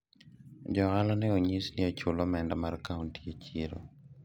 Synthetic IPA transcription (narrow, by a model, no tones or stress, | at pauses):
d͡ʒɔɣalanɛoɲisniat͡ʃʊlɔmɛndamarkauntiet͡ʃiɾo̰